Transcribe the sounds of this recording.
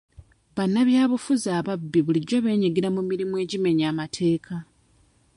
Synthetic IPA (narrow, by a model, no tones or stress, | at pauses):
βanːaβjaːβufuzaːβabːiβuliɟo̞βe̞ːɲeɡeɾamumiɾimue̞ːɟime̞ɲaːmatʰe̞ːkʰa